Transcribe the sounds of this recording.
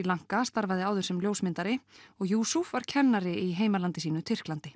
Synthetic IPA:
ilaŋ̥kast̪aɾvaðɪaːwðʏɾsɛmljoːwsmɪnt̪aɾɪɔɣjuːsufvaɾ̥cʰɛnːaɾɪiɦeːjmalant̪ɪsiːnʏt̪ʰɪr̥klant̪ɪ

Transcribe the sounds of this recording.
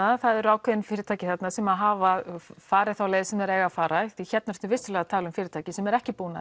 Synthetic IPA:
aθaðɛɾaːwkʰvɛðɪnfɪːɾɪt̪ʰaːcɪθɛt̪nasɛmaðɦaːvafaːɾɪθaːwlɛðɪsɛmɛɾeːɣafaːɾaθiçɛt̪naɾ̥t̪ʏvɪst̪ʏlɛɣat̪ʰaːlʏmfɪːɾɪt̪ʰaːcɪsɛmɛɾɛhcɪpuːna̰

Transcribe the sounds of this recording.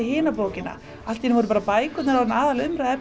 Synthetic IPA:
ɪɦɪːnapoːwcɪnːa̰ | alt̪ːinɪvɔɾʏpaːɾapaːjkʏt̪nɪɾawɛnaːðalʏmɾaðɛp

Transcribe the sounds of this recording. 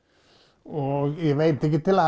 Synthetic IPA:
ɔæʋeɪt̪ɪk̬ːət̪ɪlɑ

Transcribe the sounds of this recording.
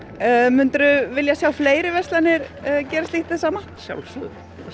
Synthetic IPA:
mʏnt̪ɾʏvɪljasjaːwfleːjɾɪvɛst̪lanːɪɾcɛːɾast̪iht̪ɪθsaːma | ɕja̰wlsʏ̰

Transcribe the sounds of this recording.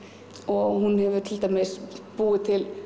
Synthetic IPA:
ɔhunhɛvʏt̪ʰɪlt̪amɛspuːɪt̪ʰɪl

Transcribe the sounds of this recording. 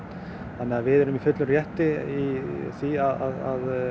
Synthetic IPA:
θanːɛavɪðɛɾʏmifʏt̪lʏrjɛht̪ɪiθiaðaðað

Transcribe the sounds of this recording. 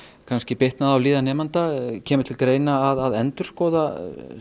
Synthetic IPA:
kʰanscɪpɪht̪naðawliːðanɛːmant̪acʰɛːmʏɾ̥t̪ʰɪlkɾeːjnaːðaðɛnt̪ʏɾ̥skɔːða

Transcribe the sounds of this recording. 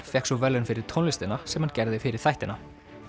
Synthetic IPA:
fjɛhksɔvɛlːʏnfɪɾɪɾ̥t̪ʰɔnlɪst̪ɪnasɛmhancɛɾðɪfɪɾɪɾ̥θajht̪ɪna

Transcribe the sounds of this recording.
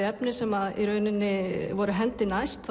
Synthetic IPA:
ɛpnɪsɛmaðḭɾœːɥnɪnːɪvɔɾʏɦɛlt̪ɪnajst̪θ

